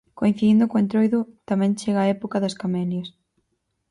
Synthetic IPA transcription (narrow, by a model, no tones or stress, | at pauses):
koĩn̟θiðind̪ʊkõẽnt̪ɾojðʊt̪amɛ̃nt͡ʃeɣaːɛpokɐðɐskamɛljɐs